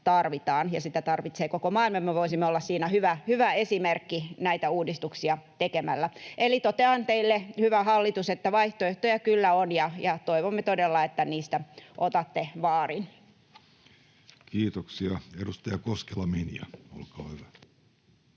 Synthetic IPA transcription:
t̪ɑrʋit̪ɑːnjɑsit̪æt̪ɑrʋit̪seːkokomɑːilmɑmmeʋoisimːeolːɑssiːnæhyʋæhyʋæesimerkːinæit̪æuːdist̪uksiɑt̪ekemælːæʔelit̪ot̪eɑnt̪eilːehyʋæhɑlːit̪uset̪ːæʋɑiht̪oeht̪ojækylːæonjɑjɑt̪oiʋomːet̪odelːɑet̪ːæniːst̪æʔot̪ɑt̪ːeʋɑːrin | kiːt̪oksiɑedust̪ɑjɑkoskelːɑmenḭæ̰o̰lkɑːhyʋæ

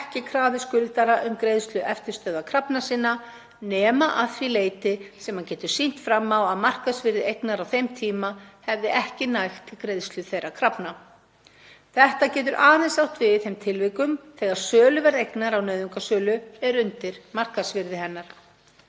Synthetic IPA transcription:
ɛhcɪkʰɾaːðɪskʏlɪt̪aɾaʔʏmkɾejðst̪lʏʔɛft̪ɪɾ̥st̪œːðakʰɾapnasiːnːa | nɛːmaʔaðθvileːjt̪ɪsɛmhancɛːt̪ʏ̥sin̥t̪fɾamːawaðmar̥kaðsvɪɾðɪejknaɾawθejmt̪ʰiːmahɛvðɪʔɛhcɪnajxt̪ʰːɪlkɾejðst̪lʏθejɾːakʰɾapna | θɛht̪acɛːt̪̬ʏɾʔaːðɛnsawht̪vɪθejmt̪ʰɪlvɪkʏmθɛːɣaɾ̥sœːlʏvɛɾðejknaɾawnœːðʏŋkasœːlʏɛɾʏnt̪ɪɾmar̥kasvɪɾðɪhɛnːaɾ̥

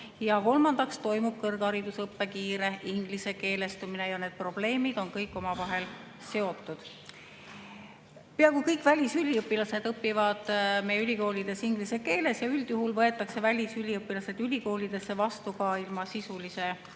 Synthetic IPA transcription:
jɑko̞lmɑnd̪̥ɑkst̪o̞jmub̥̚kɤrɡɑɾid̪̥usɤpːe̞kiːɾe̞iŋɡ̥lise̞ke̞ːle̞st̪umine̞jɑne̞ːd̪̥̚pro̞b̥le̞ːmid̪̥o̞nkɤjkːˑo̞mɑvɑɦe̞l | se̞o̞t̪ːˑud̪̥ | peɑkujkɤjkvælʲisylʲiɤpːˑilɑse̞d̪ɤpːivɑd̪̥mejylʲiko̞ːlid̪̥e̞siŋɡlise̞ke̞ːle̞sjɑyld̪̥juɦulvɤe̞t̪ːˑɑkse̞vælʲisylʲiɤpːˑilɑse̞d̪̥ylʲiko̞ːlʲid̪̥e̞sːe̞vɑst̪ukɑilmɑsisulise̞

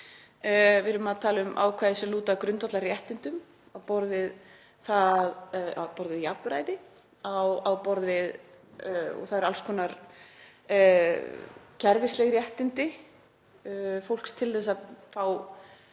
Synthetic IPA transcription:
vɪɾʏmaðt̪ʰaːlɪʏmʔa̰wkʰvajðɪsɛluːt̪akɾʏnt̪ɔt̪larjɛht̪ɪnt̪ʏm | awpɔɾðɪð | θaðawpɔɾðɪðjapɾaːjðɪ | awawpɔɾðɪð | ɔ̰θaðɛɾalskʰvɔːnaɾ | cʰɛɾvɪslɛɣrjɛht̪ɪnt̪ɪ | fowl̥kst̪ʰɪlθɛsːaðfaːw

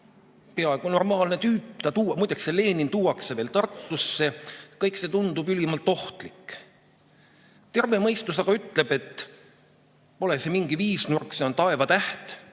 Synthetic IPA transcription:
pe̞ɑeɡ̥uno̞rmɑːlnet̪yːpːt̪ɑt̪uːɑmujd̪ekse̞le̞ːnint̪uːwɑkseve̞ːlt̪ɑrt̪ːusːe̞kɤjkse̞t̪und̪̥ubylimɑlt̪o̞ht̪likˑː | t̪e̞rve̞mɤjst̪us̬ɑɡ̥ɑyt̪ːˑle̞b̥e̞t̪ː | po̞le̞se̞miŋɡ̥iviːsnurkseont̪ɑe̞vɑt̪æht̪

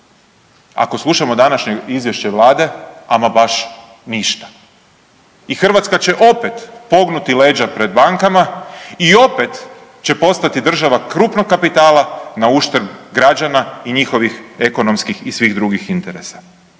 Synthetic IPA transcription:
a̰ko̞slˠuʃamo̞d̪anaʃɲeizʋjeʃt͡ɕeʋlˠaːd̪e̞amabaʃ | niʃt̪ḁ | ixr̩ʋat̪skat͡ɕe̞ʔo̞pe̞t̪po̞ɡnut̪ile̞ːd͡ʑapɾe̞d̪̚baŋkamaio̞pe̞t̪ | t͡ɕe̞po̞st̪at̪id̪r̩ʒaʋakɾuːpnok̚kːapit̪aːlanauʃt̪ɾ̩bɡɾad͡ʑanaiɲixo̞ʋixe̞ko̞no̞mskixisʋiɣd̪ɾuɡixint̪eɾesḁ

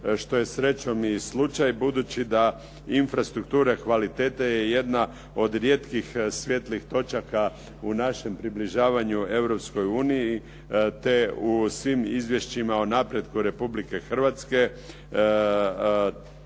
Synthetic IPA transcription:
ʃt̪o̞je̞sɾe̞t͡ʃo̞mislˠut͡ʃajbud̪ut͡ɕid̪a | infɾast̪ɾukt̪uːɾakʋalit̪eːt̪aje̞je̞d̪na | od̪ɾjeːt̪kixsʋʲje̞t̪lixt̪o̞t͡ʃaka | unaʃe̞mpɾibliʒaːʋaɲue̞ʋɾo̞psko̞juːniji | t̪e̞usʋimizʋje̞ʃt͡ɕimaonapɾje̞d̪kuɾe̞publike̞xr̩ʋat̪ske̞

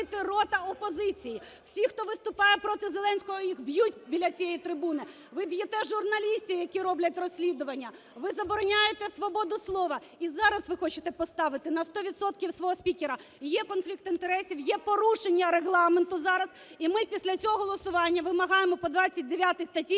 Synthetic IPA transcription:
t̪ɪrɔt̪ɐɔpɔzɪt͡sʲiji | w̥sʲixt̪ɔʋɪst̪ʊpɑjɛpɾɔt̪ɪzelˠɛnʲsʲkɔɦɔjixbjutʲbʲilʲɐt͡sʲijɛjit̪ɾɪbunɪ | ʋɪbjɛt̪ɛʒʊrnɐlʲisʲtʲijɐkʲiɾɔblʲɐtʲrɔsʲlʲid̪ʊʋɐnʲːɐ | ʋɪzɐbɔɾɔnʲajet̪ɛsʋɔbɔd̪ʊslˠɔʋɐ | izɑɾɐsʋɪxɔt͡ʃɪt̪ɛpɔst̪ɑʋɪt̪ɪnɐst̪ɔʋʲid̪sɔt̪kʲiwsʋɔɦɔsʲpʲikʲeɾɐ | jɛkɔnflʲikt̪ɪnt̪eɾɛsʲiwjɛpɔɾuʃenʲːɐɾeɦlˠɑment̪ʊzɑɾɐz̥ | imɪpʲisʲlʲɐt͡sʲɔɦɔɦɔlˠɔsʊʋɑnʲːɐʋɪmɐɦɑjemɔpɔd̪ʋɑt͡sʲːɐt̚ʲd̪eʋʲjat̪ɪst̪ɐtʲi

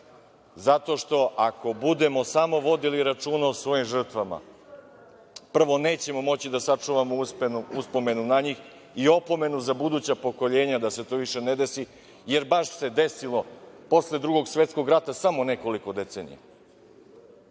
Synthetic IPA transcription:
zat̪o̞ʃt̪o̞ʔako̞bud̪e̞mo̞samo̞ʋo̞d̪iliɾat͡ʂunaosʋo̞jimʐr̩t̪ʋama̰ | pr̩ʋo̞ne̞ːt͡ɕe̞mo̞mo̞t͡ɕid̪asat͡ʂuʋamouspenuuspo̞me̞nunaɲix | io̞po̞me̞nuzabud̪uːt͡ɕapo̞ko̞ʎe̞ːɲad̪ase̞t̪o̞ːʋiʃe̞ne̞d̪e̞si | je̞ɾbaʃse̞d̪e̞silˠo̞po̞sle̞d̪ɾuɡo̞ɡsʋe̞t̪sko̞ɡɾat̪asamone̞ko̞liko̞d̪e̞t̪seːnḭja̰

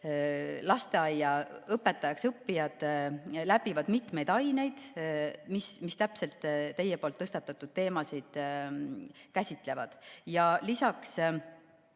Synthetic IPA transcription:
lɑst̪e̞ɑjːɑɤpːe̞t̪ːˑɑjɑksɤpːijɑd̪̥læbivɑd̪̥mit̪mejd̪ɑjne̞jd̪̥mismist̪æpse̞lt̪ːæjepo̞lt̪ːɤst̪ɑt̪ːˑɑt̪ːˑud̪̥̚t̪e̞ːmɑsid̪̥ | kæsʲit̪ːˑle̞vɑd̪̥jɑlisɑks

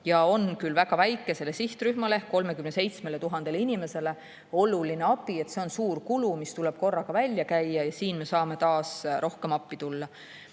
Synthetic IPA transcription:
jɑo̞nkylvæɡ̥ɑvæjkːˑe̞se̞le̞siht̪ryhmɑlehkːo̞lme̞kymne̞se̞jt̪sme̞let̪uɦɑnd̪̥e̞linime̞se̞le̞ | o̞lulineɑpie̞t̪se̞o̞nsuːrkulumist̪ulɛb̥̚ko̞rːɑɡ̥ɑvælʲːjɑkæjːɑjɑsiːnme̞sɑːme̞t̪ɑːsɾʔo̞hke̞mɑpːit̪ulːɑ

